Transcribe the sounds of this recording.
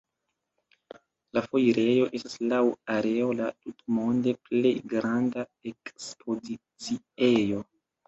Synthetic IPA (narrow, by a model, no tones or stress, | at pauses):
lafo̞jɾe̞jo̞ʔe̞stḁslawaɾe̞o̞latutmo̞nde̞ple̞jɡɾandae̞kspʰo̞zit͡si | e̞jo̞